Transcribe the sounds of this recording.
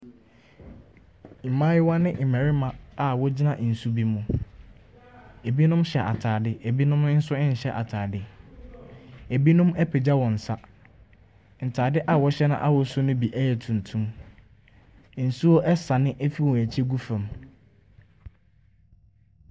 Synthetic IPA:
i˨mãː˦jɪ˦wa˦nɪ̃˦ʔɪ˨mæ̃˨ɾɪ˦mã˨a˨wɔ˦d͡ʑi˦nã˨ʔn̩˨su˦bi˦mũ˨ | e˨bi˦nʊ̃˦mɕɛ˨ʔa̰˨tʰaː˨dɪ˦ʔe˨bi˦nʊ̃˦m˦n̩˦sʊ˦ɪ̃˦n̩˨ɕɛ˦ʔa̰˨tʰaː˨dɪ˦ | e˨bi˦nʊ̃˦mɛ˦pʰe˨d͡ʑa˦wɔ̃˨n̩˨sa˦ | n̩˨tʰaː˨dɪ˦ʔa˨wɔ˦ɕɛ˦nã̰˦ʔa̰˦wɔ˨sʊ˦nʊ̃˦bi˨ʔæ˦jɛ˨tʰũ˨n˨tʰũ˦m˨ | n̩˨su˦ɔ˦ʔɛ˦sa˨nɪ̃˦ʔæ˦fi˦wɔ̃˨æ˨t͡ɕʰɛ˦ɡu˦fã˨m

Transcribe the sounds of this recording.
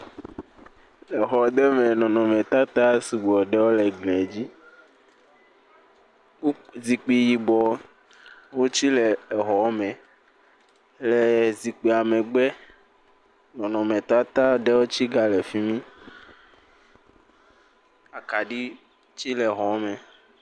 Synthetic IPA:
ɛ˨ɦɔ˨˦d̪ɛ˦mɛ˨nɔ̃˨nɔ̃˨mɛ̃˨t̪a˦t̪a˦si˨ɡ͡bɔ˨ɖɛ˦wo˦lɛ˨ɡ͡blɛ̃˨d͡ʑi˦ | zi˨k͡pi˨ji˨bɔ˨ | wo˦t͡ɕi˦lɛ˨ɛ˨ɦɔ˨˦mɛ̃˨ | lɛ˨zi˨k͡pi˨a˨mɛ̃˨ɡ͡bɛ˦ | nɔ̃˨nɔ̃˨mɛ̃˨t̪a˦t̪a˦ɖɛ˦wo˦t͡ɕi˦ɡa˨lɛ˨fi˦mĩ˦ | a˨ka˨ɖi˦ | t͡ɕi˦lɛ˨ɦɔ˨˦mɛ̃˨

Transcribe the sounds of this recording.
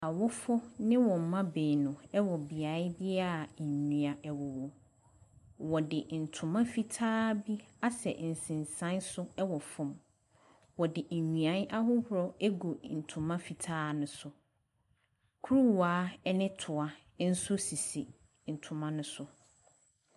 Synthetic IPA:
a˨wɔ˦fɔ˦nɪ̃˦wɔ̃˨m̩˨˦mã˦be˨nʊ̃˨ɛ˦wɔ˨bi˨a˨˦ɪ˦bɪ˦a˦˨ɲĩ˨a˨ʔɛ˨wɔ˨wɔ˨ | wɔ˨dɪ˨n̩˨tʰʊ̃˨mã˦fi˦tʰaː˦bi˦a˦sɛ̰˨n̩˨sɪ̃˨n˨sã˦nsʊ˦ɛ˦wɔ˨fɔ̃˨m | wɔ˨dɪ˨ʔ̩˨ɲũ˨ã˦nʔa˦ɦʊ˦hʊ˦ɾɔ˦ɛ˦ɡo˨n̩˨tʰʊ̃˨mã˦fi˨tʰaː˦nʊ̃˦sʊ˨ | kʰu˦ɾu˦˨waː˨˦nɪ̃˦tʰʊ˨a˨˦ | n̩˦sʊ˦si˨si˨ | n̩˨tʰʊ̃˨mã˦nʊ̃˦sʊ˦

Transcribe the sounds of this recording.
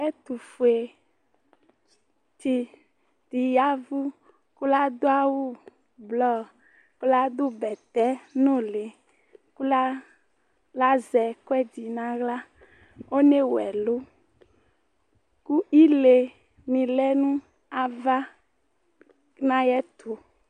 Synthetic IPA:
ɛ˦t̪u˨fu˨e˨ | ti˨ | t̪i˨ja˦vu˦ | ku˦la˦d̪o˦a˦wu˦ | blɔ˦ | ku˦la˦d̪o˦bɛ˨t̪ɛ˦nõ˦le˨ | ku˦la˦ | la˦zɛ˨ko˦ɛ˦di˨nã˨ɣla˦ | o˦ne˦wɛ̰˨lo˦ | ku˦i˦le˨ | mĩ˨lɛ˦nũ˦ | a˨va˦ | nã˦jɛ˦t̪ʰo˨

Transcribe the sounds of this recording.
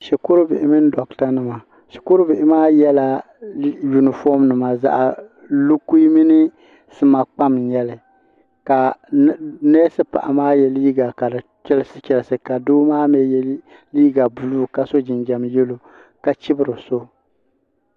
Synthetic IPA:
ʃɛ˨kʊ˦ɾɨ˦bɪ̰˨ʔɪ˨mɨ˦n˦dɔ˨kta˦nɨ˨ma˨ | ʃɛ̥˨kʊ˦ɾʊ˦bɪ˨ʔɪ˨maː˦jɛ˦la˦ | ju˨nɨ˨fɔ˦mnɨ˨ma˨za̰˦ʔa˨ | lu˦ku˦i˦mi˦nɨ˦ | sɨ˦ma˨k͡pa˦m˨ɲɛ˦lɨ˨ | ka˨˦ | nɛː˦sɨ˦pa̰˨ʔa˨maː˦jɛ˨liː˦ɡa˨ka˨dɨ˨t͡ʃɛ˦lɨ˦sɨ˦t͡ʃɛ˨lsɨ˨ka˨doː˦maː˦mɛ˦jɛ˦ | liː˦ɡa˨bu˨luː˦ka˦so˦d͡ʒɪ˨nd͡ʒɛ˨mjɛ˦lo˦ | ka˦t͡ʃɪ˦bɨ˦ɾɨ˨so˦

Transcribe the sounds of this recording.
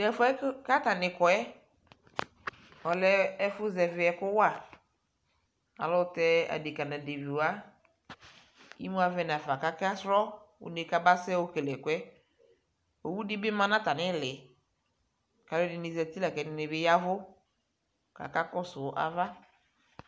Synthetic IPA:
dɛ˨fɔ˦ɛ˦ka˦ta˨nɪ˨kɔ˨ɛ˦ | ɔ˨lɛ˦ɛ˦fʊ˦zɛ˨vɪ˨ɛ˨kʊ˦wa˨ | a̰˨lɔ˦tɛ˦a̰˨de˨ka˨nã˨de˨vi˨a˦ | ḭ˦mũ˦a˨vɛ˦na˨fa˨ka˦ka˦sɾɔ˦wʊ̰˨ne˨ka˦ba˦sɛ˦wo˦ke˨lɛ˨kʊ˦ɛ˦ | o˨wu˦dɪ˦bɪ˦mã˦nã˦ta˨nɪ˦˨lɪ˨ | ka˨lʊ˦dɪ˨nɪ˨zɛ˨t̪i˦la˨kɛ˨nɪ˦nɪ˨bɪ˦ja˦vʊ˦ | ka̰˨ka˦kɔ˦sʊ˨˦ʔa̰˨va˦

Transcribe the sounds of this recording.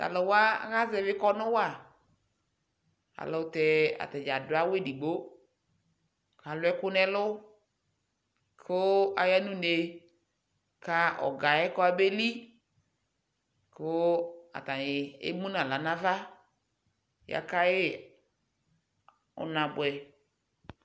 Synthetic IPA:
ta̰˨lɔ˨wa˦ɣa˦zɛ˨vɪ˦kɔ˦nʊ̃˦wa˦˨ | a̰˨lɔ˨tɛ˨a̰˨tɛ˨d͡ʒa˨dʊ˨˦a˦we˦˨di˨ɡ͡bo˦ | ka˨lʊ˦ɛ˦kʊ˦nɛ˦lʊ˦ | kʰʊ˦a˨ja˦nũ˦ne˨ | ka˦ɔ̰˨ɡa˨ɛ˦kɔ˦a˦be˦li˦ | kʊ˦a̰˨ta˨ɪ˨ḛ˦mũ˦nã˨la˨nã˦va˦ | ja̰˨ka˦jɪ˦ | ʊ̰˨nã˨bʊ˨ɛ˨

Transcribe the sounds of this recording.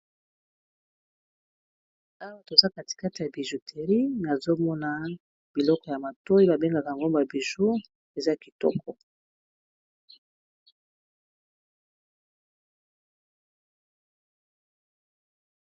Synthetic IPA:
a˦wa˦˨to˨za˦ka˨ti̥˨ka˦ti˨ja˨bi˨ʒu˨tʰe˨ʁi˦na˨zo˦mɔ˦na˦ | b̥i˨lɔ˦kɔ˨ja˨ma˨to˦ji˦ba˨be˦ŋɡa˨ka˨ŋɡo˦mba˨bi˨ʒo˦ | e˨za˦˨ki˨tɔ̰˦kʰɔ˨

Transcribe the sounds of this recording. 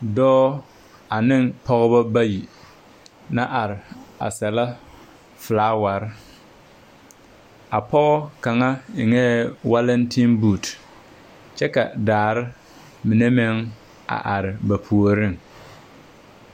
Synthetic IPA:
dɔː˦ | a˨nɪ˦ŋpɔ˦ɣɔ˦ba˦ba˦ji˨ | na˦ʔa˨ɾɪ˨a̰˨sɛ˨la˦ | fɨ˨laː˦wa˨ɾɪ˦ | a˨pɔ˦ɣɔ˦ka˨ŋa˦ɪ˨ŋɛ˦wa˦lɛ˦ntʰi˦nbu˦˨t | t͡ʃɛ˦ka˨daː˨ɾɪ˦ | mɪ˨ne˦mɛ˦ŋ | a̰˨ʔa˨ɾɪ˨ba˨pʰu˨o˨ɾɪ˦ŋ

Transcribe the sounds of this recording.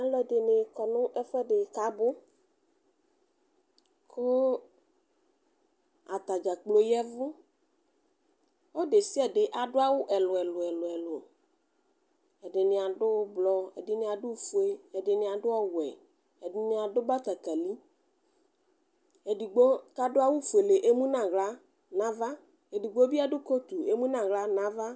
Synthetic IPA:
a˦lɔ˦ɛ˨ɖe˨ne˨kɔ˨nʊ̃˦ʔɛ˦fɛ˦ɖe˨ka˨˦bʊ˦ | kʰo˦ | a˨t̪a˨d͡ʒa˨k͡plo˨jɛ˦vʊ˦ | o˦ɖe˨si˦a˨ɖe˨ʔa˨ɖʊ˦a˦wʊ˦ʔɛ˨lʊ˨ɛ˨lʊ˨ɛ˨lʊ˨ɛ˨lo˨ | ɛ˨ɖɪ˨nɪ̃˨a˨ɖʊ˦blɔ˦ɛ̰˨dɪ˨nɪ̃˨a˨ɖʊ˦fu˦e˦ɛ˨ɖɪ˨nɪ̃˨a˨ɖʊ˦ɔ˦wʊ˨ɛ˨ | ɛ˨dɪ˨nɪ̃˨a˨dʊ˦ba˦t̪a˨ka˨li˦ | e˨du˨ɡ͡bo˦ka˦ɖʊ˦a˦wu˦fu˨e˨le˨ʔe˦mũ˦nã˨ɣla˦ | nã˦va˦ | e˨du˨ɡ͡bo˦bi˦a˦ɖʊ˦ko˦t̪u˨e˦mũ˦nã˨ɣla˦nã˦va˦

